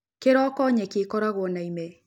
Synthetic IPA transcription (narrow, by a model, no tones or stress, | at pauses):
keɾɔkɔɲɛkekɔɾaɣwɔnaimɛ